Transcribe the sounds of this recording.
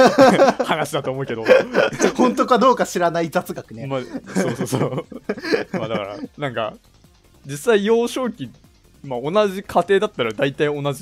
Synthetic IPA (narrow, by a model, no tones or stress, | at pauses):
hanaɕid̪at̪oːmo̞ɯ̟ked̪o̞hõ̞nt̪o̞kad̪o̞ːkaɕiɾanaid͡zat͡sɨɡakɯ̟nemasoːso̞ːso | maːd̪aka̰ɾa̰nãŋka̰ | d͡ʑisːaijo̞ːɕo̞ːkʲi | mao̞naʑikʰat̪e̞ːd̪at̪ːaɾad̪ait̪aio̞nad͡ʑi